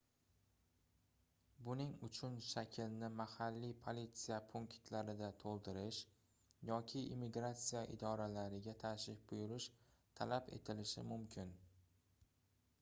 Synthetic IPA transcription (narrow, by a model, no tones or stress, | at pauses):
bʊnɪŋʊt͡ʃʰʊnʃakʲʰɪlnɪmahalːipʰolit̪sijapʰuŋkt̪ʰlaɾɪd̪at̪ʰolˠd̪ɪɾɪʃ | jɒkʲʰɪːmːiɡɾat̪sijaʔɪ̰d̪ɒɾalaɾɪɡʲat̪ʰaʃɪfbʊjʊɾɪʃt̪ʰalapḛt̪ʰɪlɪʃɪ̰mʊmkʲʰɪn